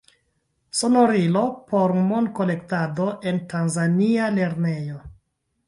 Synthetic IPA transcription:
so̞no̞ɾilo̞po̞ɾmo̞n̚ko̞le̞ktado̞ʔe̞ntanzaniale̞ɾne̞jo̞

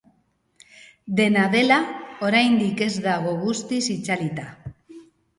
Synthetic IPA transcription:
d̪e̞naðe̞lao̞ɾajnd̪ike̞zd̪aɣ̞o̞ɣust̪isit͡salit̪a

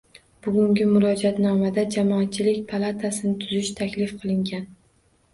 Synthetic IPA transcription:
b̥ʊɡʲʊŋɡʲɪmʊɾɒd͡ʒat̪nɒmad̪ad͡ʒamɒat̪̚t͡ʃʰɪlɪkʲpʰalˠat̪ʰasɪnɪt̪ʰʊzɪʃt̪ʰakʲlɪfqʰɨlˠɪŋɡʲan

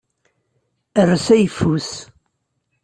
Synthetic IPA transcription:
ərːəsæjəfːus

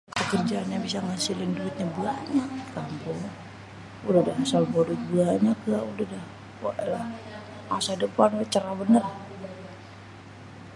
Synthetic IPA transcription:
pəkərd͡ʒaːnɲabis̬aŋasilɪnduɪt̪̚ɲabuaɲakampɔ | uladahasalbɔdut̪̚buaɲakaulədah | aʔlah | masadəpanwat͡ʃəɾabənər

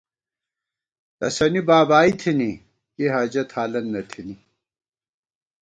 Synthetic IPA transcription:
t̪ɐ̰sɐnibaːbaːit̪ʰini | jeɦaːd͡ʑɐt̪ʰaːlɐnːɐt̪ʰini

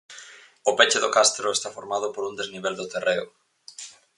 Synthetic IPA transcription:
ʊpet͡ʃɪðʊkast̪ɾʊest̪afoɾmað̞ʊpoɾund̪ezniβ̞eld̪ot̪ereʊ̰

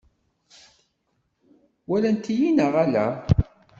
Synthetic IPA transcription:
wælænt̪ijinəʁælæ̰

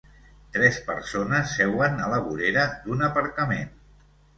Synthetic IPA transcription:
t̪ɾɛspə̰ɾsonəsːɛwənələβuɾeɾəd̪unəpəɾkəmen

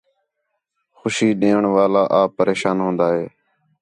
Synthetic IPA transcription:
xʊʃiːɗẽːəɳʋaːlaːʔaːpəɾeːʃaːnɦõːnd̪aːɦeː

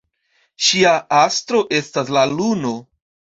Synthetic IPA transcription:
ʃiaastɾo̞ʔe̞staslaluno̞

